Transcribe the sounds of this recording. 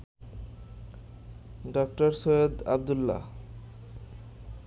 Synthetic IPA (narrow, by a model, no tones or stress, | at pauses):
ɖɔk̚ʈoɾsojed̪a̰b̚d̪ulːa̰